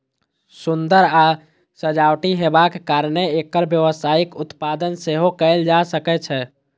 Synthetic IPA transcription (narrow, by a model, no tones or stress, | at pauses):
sund̪əɾa | səd͡ʒawʈiɦebakːaɾneekːəɾbjəʋəsaikut̪pad̪ənseɦokɛɪld͡ʒasəkɛt͡ʃʰɛ